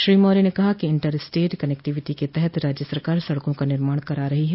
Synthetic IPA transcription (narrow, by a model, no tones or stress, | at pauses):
ʃɾiːmoːɾinekɐɦakiɪ̃ɳʈəɾsʈeːʈkɐnɛk̚ʈɪʋɪʈiket̪ɛɦɛt̪ɾaːd͡ʒjəsɐɾkaːɾsɐɽkõkanɪɾmaːɽkɐɾaːɾɐɦiɦɛ